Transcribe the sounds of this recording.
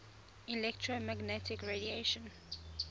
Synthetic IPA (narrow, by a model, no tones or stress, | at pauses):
ilɛktʰɹomaɡnɛtʰɪkɹedieʃə̃n